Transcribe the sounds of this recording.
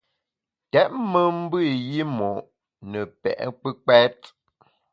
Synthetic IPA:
tɛ˦ʔ̚mə˦m̩˦bɨ˦˨ji˦mɔ˨ʔ | nə˨pɛ̰˨ʔk͡pə˦k͡pɛ˦t̚

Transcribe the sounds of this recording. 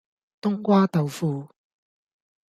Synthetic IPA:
t̪ʊ˥ŋkʷaː˥t̪ɐ˨wfuː˨˧

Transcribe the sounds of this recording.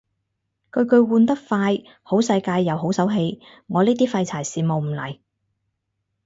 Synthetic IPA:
kɵ˧ɥkɵ˧ɥwuː˧nt̪ɐ˥k̚faː˧j | ho˨˥wsɐ˧jkaː˧jːɐ˨˧wɦo˨˥wsɐ˨˥wɦe˧j | ŋɔː˨˧liː˥t̪iː˥fɐ˧jt͡sʰaː˨˩jsiː˨mo˨wm̩˨˩lɐ̰˨˩j

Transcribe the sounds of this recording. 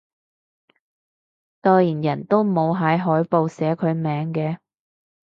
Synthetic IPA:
t̪ɔː˧jiː˨˩njɐ˨˩nt̪o˥wmo˨˧wɦɐ˨˥jɦɔː˨˥jpo˨˧wsɛː˨˥kʰɵ˨˧ɥmɛː˨˧ŋkɛː˧

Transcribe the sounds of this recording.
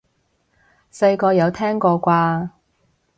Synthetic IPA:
se˧jkɔː˧jɐ˨˧wt̪ʰɛː˥ŋkɔː˧kʷaː˧

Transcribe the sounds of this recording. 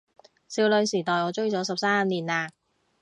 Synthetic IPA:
siː˧wlɵ˨˧ɥsiː˨˩t̪ɔː˨jɔː˨˧t͡ʃɵ˥ɥt͡sɔː˨˥sɐ˨p̚saː˥a˨˧mniː˨˩naː˧

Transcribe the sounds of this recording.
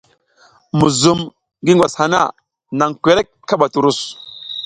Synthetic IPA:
mu˨zu˨m | ɡi˦ŋɡwa˨sha˨na̰˦˨ | na˨ŋkʷe˨ɾe˦kkːa˦ɓa˨tu˨ɾu˦˨s

